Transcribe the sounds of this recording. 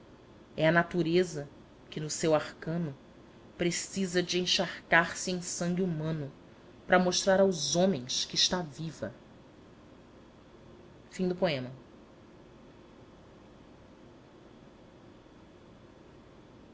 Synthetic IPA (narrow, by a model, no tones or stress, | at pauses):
ɛɐnat̪uɾezɐ | kɪnʊsewaχkɐ̃nʊ | pɾesizɐd͡ʒɪẽj̃ʃaɾkaɾsɪẽj̃sɐ̃ŋɡʲɪumɐ̃nʊ | pɾɐmoʃt̪ɾaɾawzõmẽj̃skɪːʃt̪avivɐ̰ | fĩd̪ʊpoẽmɐ